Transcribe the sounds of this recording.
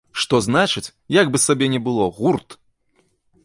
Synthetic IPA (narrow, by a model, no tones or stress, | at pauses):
ʂt̪ɔznat͡ʂɨt͡sʲ | jaɡbɨsabʲɛnʲɛbɨlˠɔɣurt̪